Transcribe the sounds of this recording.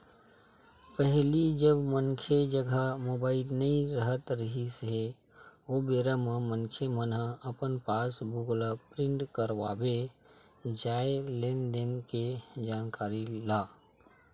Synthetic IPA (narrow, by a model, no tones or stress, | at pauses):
pəɦlid͡ʒəbmənkʰed͡ʒəɡʱamoːbaːɪlnəĩɾəɦət̪ɾəɦisɦe | obeːɾamə̃mənkʰemənɦəəpənpaːsbʊɡlapɾɪ̃ɳʈkəɾʋa̰ːbe | d͡ʒaːelẽnɖenked͡ʒaːnkaːɾilaː